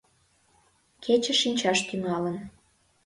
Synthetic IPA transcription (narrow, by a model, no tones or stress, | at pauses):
kʰet͡ɕə̆ʃinʲt͡ɕɑʃt̪yŋɑlən